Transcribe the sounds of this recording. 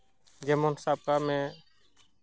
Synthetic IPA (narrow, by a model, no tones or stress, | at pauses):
d͡ʒɛmɔnsab̚kamɛ̃